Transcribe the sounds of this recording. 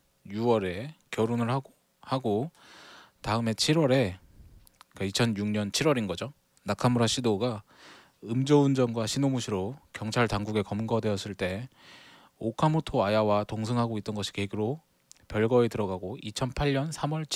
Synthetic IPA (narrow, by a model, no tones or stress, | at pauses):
juʌɾe̞kjʌɾonɯɭ | haɡo | taɯme̞t͡ɕʰiɾwʌɾe̞ | k͈ait͡ɕʰʌnjuŋɲʌnt͡ɕʰiɾwʌɾinɡʌd͡ʑo | nakʰamuɾaɕʰidoɡa | ɯmd͡ʑʌund͡ʑʌnɡwaɕʰinomuɕʰiɾokjʌŋt͡ɕʰaɭtaŋɡuɡe̞kʌmɡʌdwe̞ʌs͈ɯɭt͈e̞ | okʰamotʰoajawatoŋsʰɯŋɦaɡoit̚t͈ʌnɡʌɕʰi̥ke̞ɡiɾo | pjʌɭɡʌetɯɾʌɡaɡoit͡ɕʰʌnpʰaɭɲʌnsʰamwʌɭʰ